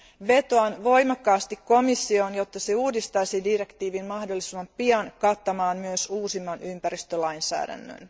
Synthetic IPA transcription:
ʋe̞t̪oɑnʋo̞jmɑkːɑːst̪ikko̞misːio̞njo̞t̪ːɑseuːdist̪ɑjsidire̞kt̪iːʋinmɑhdo̞lːisimɑmpiɑnkɑt̪ːɑmɑːnmyøsuːsimːɑnʔympæɾist̪ølɑjnsæ̰ːdæ̰nːø̰n

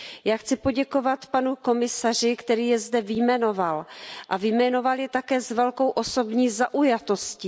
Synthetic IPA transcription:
jaːxt͡sɪpo̞ɟɛko̞vat̪panuko̞mɪsar̝ɪkt̪ɛɾiːjɛzdɛvɪjmɛno̞valʔavɪjmɛno̞valjɛt̪akɛːzvɛlko̞wʔo̞so̞bɲiːzaʔujat̪o̞scɪ

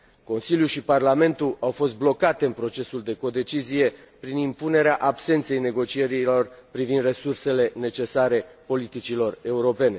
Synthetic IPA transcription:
ko̞nsiljuʃiparlame̞nt̪ulʔawfo̞s̬t̪̚blo̞kat̪e̞ɨnpɾo̞t͡ʃe̞suld̪e̞ko̞d̪e̞t͡ʃizije̞ | pɾinimpune̞ɾeaʔabse̞nt̪se̞jne̞ɡo̞t͡ʃie̞ɾilo̞rpɾivind̪re̞surse̞le̞ne̞t͡ʃe̞saɾe̞po̞lit̪it͡ʃilo̞re̞uɾo̞pe̞ne̞

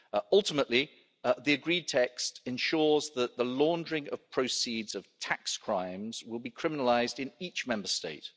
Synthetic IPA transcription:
ʌlˠtɪməʔli | ðiəɡɹiːd̚tʰɛkstɛ̃nʃɔːzðəʔðəlɔ̃ːndəɹɪ̃ŋə̰v̥pʰɹ̥əʊsiːdz̥əv̥tʰakskʰɹ̥ãɪ̃mz̥wɪlˠbikʰɹ̥ɪmɪnəlaɪzdɪ̃niˑt͡ʃmɛ̃mbəsteɪt̚

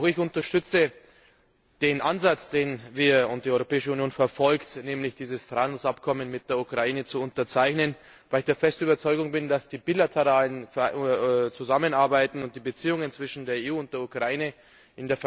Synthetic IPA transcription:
aʊxɪçʊntɐʃtʏt͡sə | d̥eːnʔanzat͡sd̥eːnviːɐʊnt̚d̥iːɔʏʁopɛːɪʃəunjoːnfɛɐfɔlktnɛːmlɪçd̥iːzəsfʁanl̩sapkʰɔmənmɪt̚d̥eːɐukʁ̥aiːnət͡suʊntɐt͡saɪçnən | vaɪlɪçd̥eːɐfɛstyːbɐt͡sɔʏɡʊŋbɪndasd̥iːbiːlatʰəʁaːlənf | t͡suzamənaɐbaɪtn̩ʊnt̚d̥iːbət͡siːʊŋənt͡sv̥ɪʃn̩deːɐeːuːʊnt̚d̥eːɐukʁ̥aiːnə | ʔɪndeːɐf

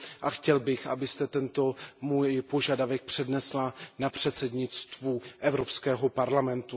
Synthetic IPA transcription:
ʔaxcɛlbɪxʔa̰bɪst̪ɛt̪ɛnt̪o̞muːjpo̞ʒadavɛk̚pr̝̥ɛdnɛslanapr̝̥ɛt̪sɛdɲɪt͡st̪vuʔɛvɾo̞pskɛːɦo̞paɾlamɛnt̪u

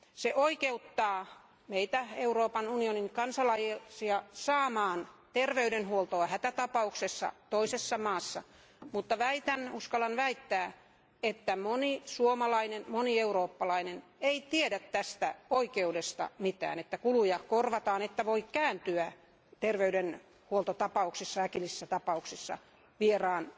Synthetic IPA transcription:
seʔoikeut̪ːɑː | meit̪æeuroːpɑnunioniŋkɑnsɑlɑjsiɑsɑːmɑːnt̪erʋeydenhuolt̪oɑhæt̪æt̪ɑpɑuksesːɑ̰t̪oisesːɑmɑːsːɑ | mut̪ːɑʋæit̪ænuskɑlɑnʋæit̪ːæː | et̪ːæmonisuomɑlɑinenmonieuroːpːɑlɑineneit̪iedæt̪tæst̪æ̰oikeudest̪ɑ̰mit̪æ̰ːnet̪ːækulujɑkorʋɑt̪ɑːnet̪ːæʋoikkæːnt̪yæ | t̪erʋeyden | huolt̪ot̪ɑpɑuksisːɑækilisisːæt̪ɑpɑuksisːɑ̰ | ʋierɑːn

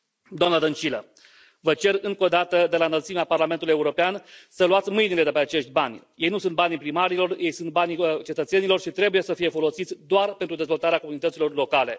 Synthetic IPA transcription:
d̪oamnəd̪ənt͡ʃilə | vət͡ʃe̞rɨŋko̞d̪at̪əd̪e̞lanəlt̪simeaparlament̪uluje̞uɾo̞peansəluat̪sʲmɨjnile̞d̪epeat͡ʃe̞ʃt̪ʲbanʲje̞jnusunt̪̚banʲipɾimaɾilo̞rjʔe̞jsunt̪̚banʲt͡ʃe̞t̪ət̪se̞nilo̞rʃit̪ɾe̞bujesəfije̞fo̞lo̞sit̪sʲd̪oarpent̪ɾud̪e̞zvo̞lt̪aɾeakounit̪ət̪silo̞rlo̞kale̞

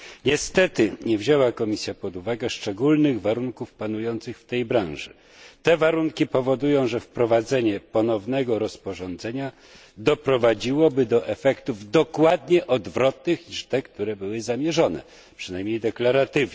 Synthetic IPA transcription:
ɲɛst̪ɛt̪ɘɲɛvʑɛwakɔmʲisʲjapɔd̪uvaɡɛʂt͡ʂɛɡulnɘɣvaɾuŋkufpanujɔnt̪sɘxft̪ɛjbɾãw̃ʐɨ̰ | t̪ɛvaɾuŋkʲipɔvɔd̪ujɔ̃w̃ʐɛfpɾɔvad̪zɛɲɛpɔnɔvnɛɡɔɾɔspɔʐɔnd̪zɛɲa | d̪ɔpɾɔvad͡ʑiwɔbɘd̪ɔʔɛfɛkt̪uvd̪ɔkwad̪ɲɛʔɔd̪vɾɔt̪nɘxɲiʂt̪ɛkt̪uɾɛbɘwɘzamʲjɛʐɔnɛ̰ | pʂɨnajmɲejd̪ɛklaɾat̪ɘvɛ

